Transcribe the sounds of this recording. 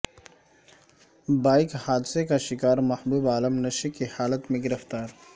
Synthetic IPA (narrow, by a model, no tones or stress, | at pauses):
baːjkhaːd̪sekaʃɪkaːɾmɐhbuːbaːləmnɐʃekihaːlət̪mẽɡɪɾəft̪aːɾ